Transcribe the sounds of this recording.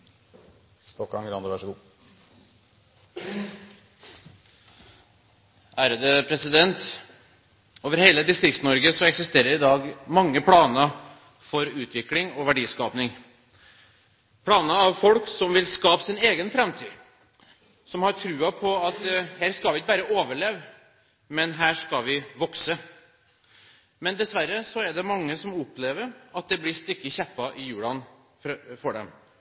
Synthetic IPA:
st̪ɔkːɑ̰ŋɡɾɑ̰nd̪əʋɑʂəɡuː | ʔæːɾəd̪əpʰɾɛsɪd̪ɛnt̪ | oːʋəɾheːləd̪ɪst̪ɾɪkst̪nɔɾɡəsɔɛksɪst̪eːɾəɾɪd̪ɑːɡmɑŋːəpʰlɑːnə | fɔɾʉːt̪ʰʋɪklɪŋɔʋæɖiːskɑːpnɪŋ | pʰlɑːnəɑʋfɔlksɔmʋɪlskɑːpsɪneːɡənfɾɛmt̪ʰy̰ː | sɔmhɑɾʈʰɾʉːɑpʰɔɑt̪hæːɾskɑlʋɪɪkəbæːɾəʔoːʋəɭeːʋ | mɛnɦæːʂkɑʋɪʋɔksə | mɛnd̪ɛsʋæɾəsɔɛɖ̪ɛmɑŋːəsɔmʊpleːʋəɾɑt̪̚d̪ɛblɪst̪ʏkːəçɛpːɑʔɪjʉːlɑn | ffɔɖɛ̰m

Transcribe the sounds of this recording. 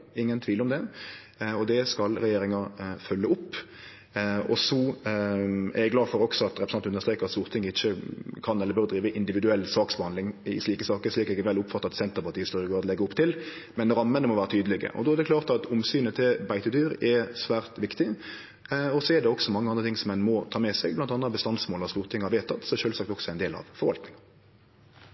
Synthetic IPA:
ɪŋːənt̪ʰʋiːlɔmd̪ɛ | ɔd̪ɛskɑlɾɛjeːɾɪŋɑfœlːəʊpː | ɔ̰sɔ | æ̰ɾɛɡlɑːfɔɾɔksɔɑt̪ɾɛpɾəsɑnt̪ʉnəst̪ɾeːkəʁɑt̪suːɾt̪ʰɪŋːəɪçːəkʰɑnɛlːəɾbøːɾd̪ɾiːʋəʔɪnd̪ɪʋɪd̪ʉɛlːsɑːksbəhɑnd̪ɪŋɪ̰ʂliːkəsɑːkəɾʂliːkɛɡɛʋɛlːʊpfɑt̪ːɑɑt̪sɛnt̪əɾpɑʁt̪iːəst̪ɔɾəɡoːɾt̪lɛɡːəʊpːt̪ʰɪlmɛnɾɑmːənəmɔʋæːɾət̪ʰyːd̪əlɪɡə̰ʔɔ̰d̪ɔːɛɾd̪ɛkʰlɑːʁt̪ɑt̪ʰʊmsyːnət̪ʰɪlbæɪt̪əd̪yːɾɛsʋæːʁt̪ʋɪkt̪ɪ | ɔsɔɛdɖɛɔksɔmɑŋːəɑnd̪ət̪ʰɪŋsɔmɛnmɔt̪ʰɑːmɛsɛɡblɑnt̪ɑnəbəst̪ɑnsmoːlɑst̪uːʁt̪ʰɪŋːhɑɾʋeːt̪ʰɑt̪sɔɛʂøːlsɑk̚t̪ɔksɔɛɾɛɪnd̪eːlɑ̰ʋfɔɾʋɑlt̪nɪŋɑ

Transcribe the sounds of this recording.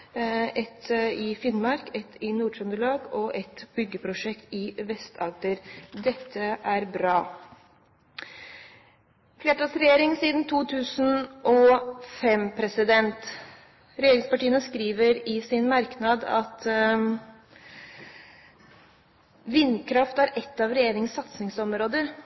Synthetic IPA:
ɛt̪ɪfɪnmɑɾkɛt̪ʰɪnuːɖɾœnd̪ɾəɭɑːɡɔʔɛt̪bʏɡːəpʰɾʊʂɛkt̪ɪʋɛst̪ʰɑld̪əɾd̪ɛt̪ʰːəʔæɾbɾɑː | fleːʈɑːsɾɛjeːɾɪŋsiːd̪n̩t̪ʰuːt̪ʰʉːsn̩ʔɔfɛmpʰɾɛsɪd̪ɛnt̪ | ɾɛjeːɾɪŋspɑʈiːənəskɾiːʋəɾɪsɪnmɑɾknɑd̪ɑ̰t̪ | ʋɪnːkʰɾɑft̪æɾɛt̪ːɑʋɾɛjeːɾɪŋənsɑt̪sɪŋsɔmɾoːd̪əɾ

